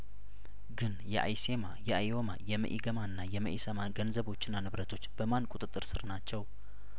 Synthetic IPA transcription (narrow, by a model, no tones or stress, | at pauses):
ɡɨnjɛʔa̰jse̞majɛʔajo̞ma̰jɛmə̰ʔiɡəmanːajɛmə̰ʔisəmaɡənzəβo̞t͡ʃːɪnːanɨβɾət̪ʰo̞t͡ʃːb̥əmankʼut̪ʼɨt̪ʼːɨɾsɨɾnat͡ʃːɛw